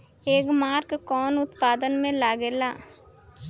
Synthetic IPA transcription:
eːkmaːɾkkɔːnʊt̪paːd̪ənmẽlaːɡeːlaː

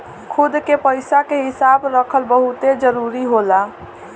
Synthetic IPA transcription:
kʰud̪kepəjsakeɦisabɾəkʰəlbəɦut̪ed͡ʒəɾuɾiɦola

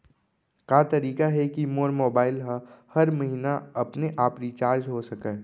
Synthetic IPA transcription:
kaːt̪ɐɾiːkaɦɛkimoːɾmoːbaːɪlɦəhɐɾmɐɦinaɐpneʔaːpɾit͡ʃaːɾd͡ʒɦosɐkẽː

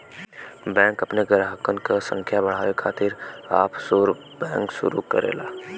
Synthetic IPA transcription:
bɛ̃ːŋkɐpneɡɾaːɦəkənkasə̰̃ŋkʰjabɐɽ̤aːʋekʰaːt̪ɪɾaːpsoːɾ | bɛ̃ːŋkʃʊ̰ɾṵkə̰ɾḛːlaː

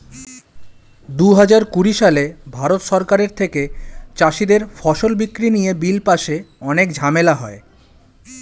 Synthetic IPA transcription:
d̪uɦad͡ʑaɾkuɾiʃalebʱaɾot̪ʃɔɾkaɾeɾt̪ʰeket͡ɕaʃid̪eɾfɔʃolbikːɾinijebilpaʃeɔnek̚d͡ʑʱamelaɦɔe

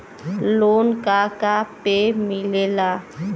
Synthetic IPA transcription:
loːnkakapemɪlelaː

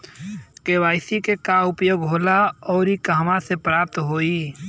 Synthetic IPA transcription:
kewaːɪsikekaʊpjoːɡɦoːlaɔːɾikaɦmasepɾaːp̚t̪ɦoːiː

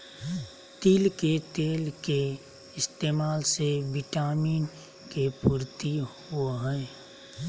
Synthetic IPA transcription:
t̪iːlket̪eːlke | ɪst̪eːmaːlseʋɪʈaːmiːn | kepuːɾt̪ihuɦɛː

